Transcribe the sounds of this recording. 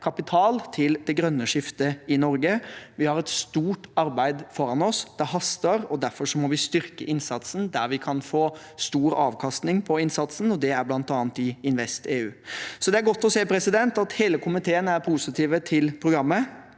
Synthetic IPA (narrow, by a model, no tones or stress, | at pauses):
kʰɑpɪt̪ʰɑːlt̪ʰɪld̪ɛɡɾœnːəʂɪft̪əɪnɔɾɡəʋɪhɑɾɛt̪st̪uːʈɑɾbæɪd̪fɔɾɑnɔsd̪̥æɾɦɑst̪əɾɔd̪æɾfɔɾʂɔmɔʋɪst̪ʏɾkəʔɪnsɑt̪sn̩d̪æɾʋɪkʰɑnfoː | st̪uːɾɑːʋkʰɑst̪nɪŋpʰɔɪnsɑt̪sn̩ɔd̪ɛæɾblɑnt̪ɑːnt̪ɪɪnʋɛst̪eːʉːsɔd̪ɛæɾɡɔt̪ːɔseːpʰɾɛsɪd̪ɛnt̪ɑt̪heːləkʰʊmɪt̪ʰeːənæɾpʰusɪt̪ʰiːʋət̪ʰɪlpʰɾʊɡɾɑmːə